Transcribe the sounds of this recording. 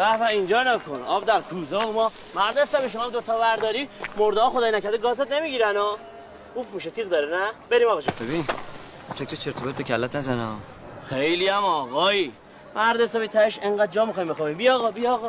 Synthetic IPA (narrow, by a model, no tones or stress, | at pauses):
væfæind͡ʒɒːnækʰonɒːbd̪æɾkʰuːzɒomɒː | mæɾd̪esæbiʃ̬omɒːd̪ot̪ʰɒːvæɾd̪ɒːɾiːmoɾd̪eɒːxod̪ɒːjnæcʰæɾd̪eɡɒːzet̪ne̞miːɡiːɾænɒː | ɡufmiʃet̪ʰiɣd̪ɒːɾenæbeɾiːmɒːɣɑʃɔbebin | fʰekʰɾet͡ʃʰeɾt̪ʰobet̪bekʲʰælːæt̪næzænɔ | xejliæmɔːɣɒːi | mæɾd̪esæbit̪ʰæeʃeŋɢæd̪̚d͡ʒɒːmixɒjmbexɔːbimbijɒːɣɒbijɒɣɒ